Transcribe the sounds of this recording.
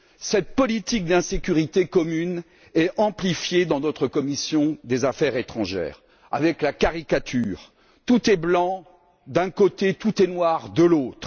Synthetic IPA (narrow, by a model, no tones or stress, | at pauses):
sɛt̪̚pɔlit̪ik̚d̪ɛ̃sekʲyʁit̪ekɔmyn | ɛɑ̃plifjed̪ɑ̃nɔt̪χəkɔmisjɔ̃d̪ezafɛʁet̪χɑ̃ʒɛ̰ːʁ | a̰vɛklakaʁikat̪ʰyːʁ | t̪ut̪ɛblɑ̃ | d̪ɛ̃kot̪et̪ut̪ɛnwaʁd̪əlot̪χ